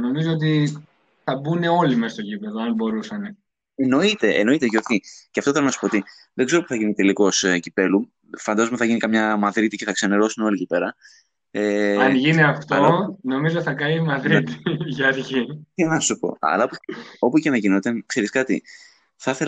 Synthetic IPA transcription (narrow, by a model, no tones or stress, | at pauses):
no̞mizoot̪̬i | θɐbune̞o̞limest̪o̞cipe̞ðoɐnbo̞ɾusɐne | eno̞it̪e̞ʔḛno̞it̪eʝoɾçiceɐft̪oθelonɐsu̥poot̪i | ðeɡze̞ɾo̞puθɐʝinit̪eliko̞scipe̞lu | fɐnd̪ɐzomeθɐʝinikɐmɲɐmɐðɾit̪ice̞θɐkseneɾo̞suneo̞licipe̞ɾɐ | eɐʝiniɐft̪ɐlono̞mizoθɐkɐimɐðɾit̪i̥ʝɐɾçienɐsupo̞̰ɐ̰lɐopo̞pucenɐʝinot̪e̞xeɾiskɐt̪ḭ | θɐθel